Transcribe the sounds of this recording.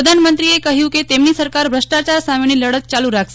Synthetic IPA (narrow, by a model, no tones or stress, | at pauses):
əd̪ʱanmənt̪ɾiekəɦjũket̪emniːsəɾkaɾbʱɾəʂʈat͡ɕaɾsamiɳ̃iləɽət̪̚t͡ɕaluɾakʰs